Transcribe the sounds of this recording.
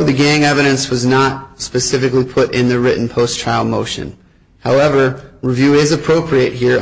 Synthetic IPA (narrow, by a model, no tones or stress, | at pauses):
ðɨɡæ̃ŋɛvɨɾɨ̃nswʌznət̚spɨsɪfɨklipʰʊɾɪ̃nðɨɹɪʔn̩pʰoʊstʰɹ̥aɪlˠmoʊʃɨ̰̃n | haʊɛvə˞ɹivjʉɪzɨpʰɹ̥oʊpʰɹiɨt̚hiɹ